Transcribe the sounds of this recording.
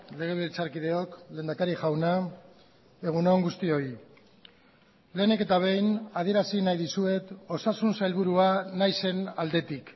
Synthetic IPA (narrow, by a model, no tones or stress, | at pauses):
le̞ɣ̞e̞βilt͡saɾkið̞e̞o̞kle̞ːnd̪akaɾiʝawna | e̞ɣ̞unoŋɡust̪io̞i | le̞ːne̞ke̞t̪aβ̞e̞jnaðie̞ɾasinajðisue̞t̪o̞sasunsajlβuɾuanajse̞nald̪e̞t̪ik